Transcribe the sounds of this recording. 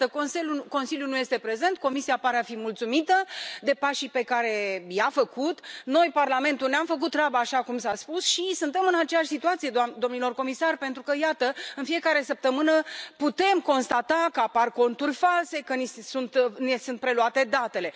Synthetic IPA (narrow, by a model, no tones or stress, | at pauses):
əkonseuko̞nsiljunuje̞st̪epɾe̞ze̞nt̪̚ko̞misiapaɾeafimult̪sumit̪əd̪e̞paʃipe̞kaɾe̞jafəkut̪no̞jparlame̞nt̪ulneamfək̬ut̪ːrabaːʃakumsaspusʃisunt̪e̞mɨnat͡ʃejaʃʲsit̪uat̪sijed̪d̪o̞mnilo̞rko̞misarpe̞nt̪ɾukəjat̪əɨnfie̞kaɾe̞səp̚t̪əmɨnəput̪e̞mko̞nst̪at̪akəaparko̞nt̪urʲfalse̞kənisunt̪nesunt̪̚pɾe̞luat̪e̞d̪at̪e̞le̞